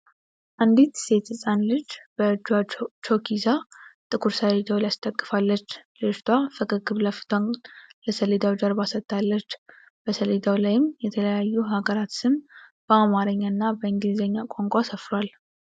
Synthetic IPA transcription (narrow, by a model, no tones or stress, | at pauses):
ʔand̪it̪se̞t̪ɨsʼanlɨd͡ʒb̥əd͡ʒat͡ʃʰokʰizat̪ʼɨkʰuɾsəled̪awlijast̪ʰʼəkʼːɨfalːət͡ʃːlɨd͡ʒt̪ʰafəkʼɨɡɨβləft̪ʰanləsəled̪awd͡ʒaɾbasət̪ʼːalːət͡ʃː | b̥əsəled̪awlajɪmjɛt̪ʰələjajːuɦaɡəɾat̪sɨmb̥əamaɾəɲːaɨnːabəɨŋɡlizəɲːakʼoŋkʷʼasəfɾʷal